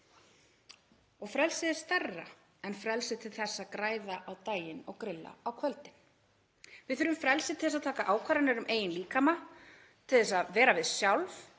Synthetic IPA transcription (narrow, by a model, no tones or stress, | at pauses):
ɔɣfɾɛlsɪðɛ̥st̪arːa̰ | ɛnfɾɛlsɪt̪ʰɪlθɛsːaðkɾaːjðaʔawt̪aːjɪnɔɣkɾɪlːa̰awkʰvœlt̪ɪn | vɪðθʏɾʏmfɾɛlsɪðt̪ɪɛs̬aðt̪ʰaːkaʔaːwkʰvaɾanɛɾʏmʔeːjɪnliːkama | t̪ʰɪlθɛsaðvɛːɾavɪðsjawlv